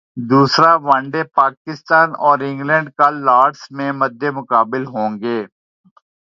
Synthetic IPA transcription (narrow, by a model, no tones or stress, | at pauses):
d̪uːsɾaʋɐ̃ɳɖepaːkɪst̪aːnɔːɾɪ̃ŋɡlə̃ɳɖkalːaːɖsmẽmɐd̪ːemʊkaːbɪlɦõːŋɡeː